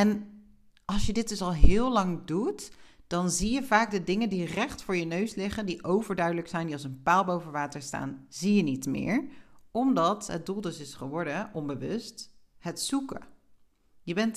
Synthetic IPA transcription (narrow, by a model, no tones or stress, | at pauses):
ɛn | ɑlˠsjədɪd̚ɵsɑlˠɦɪːlˠɑŋdutd̥ɑnzijəvaːɡdədɪŋəndirɛχtfʊːɹjənøɥslɪχəndiʔowvəɹdœɥdələksɛjndiɑlˠs̬ənpaːlˠbowvənʋaːtəɹsta̰ːnzijənitmɪ̰ːɹɔmdɑtɦəd̚dulˠdɵsɪsχəʋɔɹdəʔɔmbəʋɵsthətsukə̰ | jəbɛnt